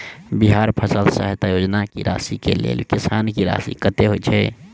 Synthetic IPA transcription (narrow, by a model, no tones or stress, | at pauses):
biɦaːɾpʰəsəlsa̰ɦet̪ajoːd͡ʒnakḭɾa̰ːsikḛlḛːlkɪsankiɾa̰ːsḭkət̪eɦoit͡ʃʰɛ